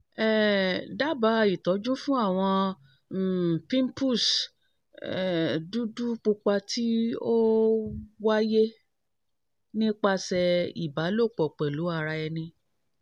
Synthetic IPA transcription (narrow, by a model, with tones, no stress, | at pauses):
ɛ˨da˦ba˧˦i˨tɔ˨˦d͡ʒũ˦fũ˦a˦˨w̃ɔ̃˧˨ | pĩ˦m˦pu˦˨s | ɛ˨du˦du˦k͡pu˧k͡pa˧tʰi˦o˦ | wa˦je˦ | nĩ˦k͡pa˧sɛ˧ḭ˨ba˨˦lo˦˨k͡pɔ˨k͡pɛ˨lu˨˦a˧ɾa˧ɛ˧nĩ˧